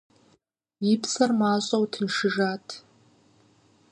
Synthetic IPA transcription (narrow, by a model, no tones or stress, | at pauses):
ipʰsarmaɕʷʼowtʰinʂɨʐatʰʼ